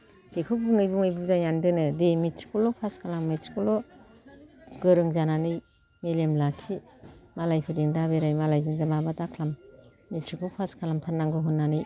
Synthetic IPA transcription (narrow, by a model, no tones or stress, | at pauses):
ɡ̥ekʰɯbuŋɯjbɯŋɯjbuzajandɯnɯdemitʰɾi̥kʰulɔpʰaskʰalamːitʰɾikʰɔlɔ | ɡ̥ɯɾɯŋzananɯj | melemlakʰimalajpʰɯɾdiŋdaβeɾajmalajzɯŋzamabatakʰlamː | itʰɾikʰupʰaskʰalamtʰanːaŋɡɯɦunːanɯj